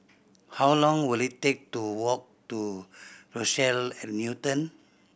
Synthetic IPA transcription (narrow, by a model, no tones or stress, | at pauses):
hawlɔ̃ŋwilitek̚tuwɔk̚tuɹosɛlɛ̃tnjutə̃n